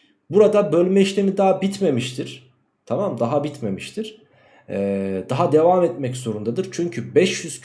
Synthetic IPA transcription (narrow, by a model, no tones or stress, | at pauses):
buɾad̪abølʲmɛiʃlʲe̞mid̪aɦabit̪me̞miʃt̪ʰiɾ̥ | t̪ʰamamd̪aɦabit̪me̞miʃt̪ʰiɾ̥ | ɛd̪aɦad̪e̞vamɛt̪mɛczo̞ɾund̪ad̪ɯɾt͡ʃʰyɲcʰybɛʃjyz̥